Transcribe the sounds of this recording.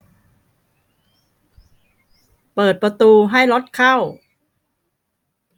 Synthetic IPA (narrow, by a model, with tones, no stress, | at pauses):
pɤː˨˩t̪̚pɾa˧t̪uː˧ɦa˥˩jlo˦˥t̪̚kʰa˥˩w